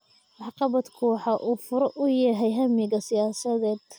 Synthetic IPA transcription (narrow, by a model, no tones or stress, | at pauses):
wɑħqɑβɐd̪kʰuːħɑʔuːfʊɾɔʔʊjɐɦɛjɦɐmɪɣɐsɪjaːsɐðɛːd̪̥